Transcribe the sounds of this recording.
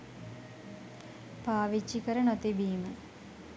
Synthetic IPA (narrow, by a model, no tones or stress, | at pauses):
paːʋit͡ʃːikəɾənot̪ibiːmə